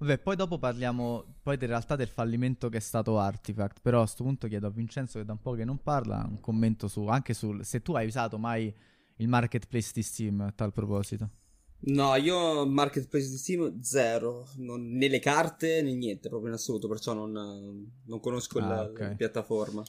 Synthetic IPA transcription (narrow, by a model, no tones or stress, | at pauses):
abɛpːɔjd̪ɔːpoparljaːmo | pɔjd̪elɾealt̪ad̪elfalːiment̪okeɛst̪aːt̪oart̪ifakt̪peɾɔast̪opunt̪okjɛːd̪oavːint͡ʃɛnt̪soked̪aumpɔkenːomparla̰ṵŋkomːent̪osuaŋk̟esuset̪ːuajuzaːt̪omaj | ilmarket̪plesd̪ist̪imt̪alpɾopɔːzit̪o | nɔiːomarket̪̚plesd̪ist̪imd̪zɛːɾononːelːekart̪enenːjɛnt̪epɾɔːpɾjoinasːoluːt̪opert͡ʃɔnːononːoŋkonoskoilkɛpjat̪ːaforma